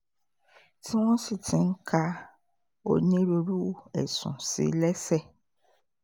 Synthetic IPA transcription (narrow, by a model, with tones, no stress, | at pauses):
tʰĩ˦wɔ̃˦si˨tʰɪ̃˦ŋ˦kʰa˦ | o̰˨nẽ˦ɾo˨ɾu˦˨ɛ̰˨sʊ̰̃˨sḭ˨lɛ˦sɛ˦